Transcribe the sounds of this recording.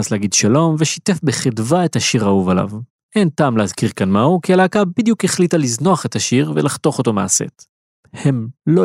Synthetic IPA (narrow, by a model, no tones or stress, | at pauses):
asleaɡid̪ʃalo̞mve̞ʃite̞fbeχedvaethaʃiʁauvala̰v | ʔe̞ntaːmleazkiʁkanmahukialaːkabid̪jukeχlit̪alizno̞aχet̪haʃiʁvelaχto̞χo̞t̪o̞ma̰ːse̞̰t | he̞mlo